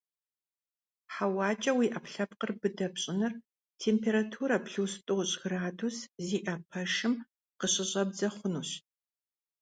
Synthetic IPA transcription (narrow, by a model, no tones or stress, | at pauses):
ħawɑːt͡ʃʼɐwiːʔɐpɬɐp̚qərbɨdɐpɕʼɪnɨr | tʰeːmpʰeːɾatʰuːɾɐpɬuːstʼoɕʼɡraːdusziːʔɐpʰɐʃɨm | qəɕɪɕʼɐb̚zɐχʷʊnuːɕ